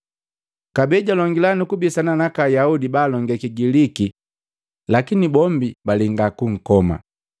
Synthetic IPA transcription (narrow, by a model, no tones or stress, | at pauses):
kabɛɟalɔŋɡilanukubisananakajaudibaːlɔŋɡakiɡiliki | lakinibɔmbibaliŋɡakuŋ̩kɔma̰